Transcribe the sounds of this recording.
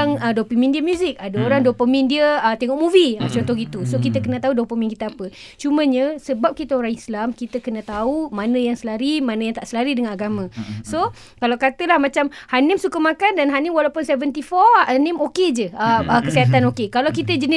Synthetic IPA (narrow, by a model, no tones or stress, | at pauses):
aŋədopimĩndiəmjuzɪk̚adaoɾaŋdopəmĩndiəət̪eŋɔʔ̚muviat͡ʃɔnt̪ɔkit̪usokit̪əkənə̃t̪audopəminkit̪əapə | t͡ʃumə̃ɲə̃səbap̚kit̪əoɾaŋislamkit̪əkənə̃t̪aumanə̃jaŋsəlaɾimanəjaŋt̪aʔsəlaɾidəŋanaɡamãso | kalawkat̪əlahmãt͡ʃamhanɪmsukəmakandanɦanɪmwalawpʊnsevənt̪ifɔanɪmoked͡ʒəəəkəsiɦat̪anokekalawkit̪əd͡ʒənɪ